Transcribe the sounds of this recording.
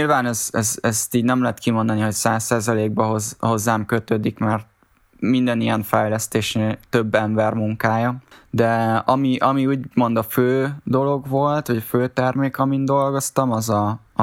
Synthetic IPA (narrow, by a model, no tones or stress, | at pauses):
ilvaːnɛzsɛst̪iːɟnɛmlɛɦɛt̪kimo̞nd̪ɒniɦo̞csaːsːaːzɒleːɡ̚bɛɦozho̞zːaːmkøt̪øːd̪ikmɛrt̪̚ | mind̪ɛnijɛɱfɛjlɛst̪eːʃneːt̪ø̞bːɛɱbɛrmuŋkaːjɒd̪ɛɒmiʔɒmiuːɟmo̞nd̪ɒføːd̪o̞lo̞ɡvo̞lt̪ʋɒɟføːt̪ɛrmeːkɒmind̪o̞lɡo̞st̪ɒmɒzɒ